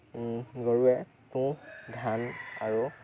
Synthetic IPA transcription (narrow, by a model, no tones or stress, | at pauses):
ɡɔɹuɛ | tũdʱanaɹu